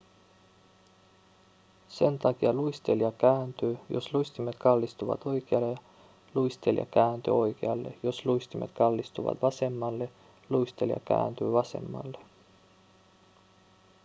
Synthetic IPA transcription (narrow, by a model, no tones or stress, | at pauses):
se̞nt̪ɑkiɑluist̪eljɑkæːnt̪yːjo̞̰sluist̪imet̪kɑlːist̪uʋɑ̰t̪o̞jkeɑle | lujst̪eljɑ̰kæːnt̪y̰o̞jkeɑlːe̞̰jo̞sluist̪ime̞̰t̪kɑlːist̪uʋɑ̰t̪ʋɑse̞mːɑlːe̞ | luist̪e̞ljɑ̰kæ̰ːnt̪y̰ːʋɑse̞̰mːɑ̰lːe̞